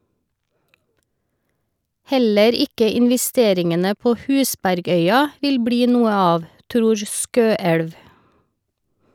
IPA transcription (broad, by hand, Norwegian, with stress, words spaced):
ˈhɛləɾ ˈɪkə ɪnʋɛˈsteːɾɪŋənə ˈpoː ˈhʉːsbæɾˌɡœʏɑ ˈʋɪl ˈbɽiː ˈnuːə ˈɑːʋ ˈtɾuːɹ ˈskøːɛɽʋ